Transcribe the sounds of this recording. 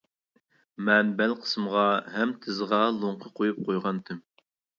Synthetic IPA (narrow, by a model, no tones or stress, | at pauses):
mɛnbɛlqʰə̥sɨmʁɑɦɛmt̪ʰɪzʁɑlˠoɴqʰəqʰojup̚qʰojʁɑnt̪ʰɪm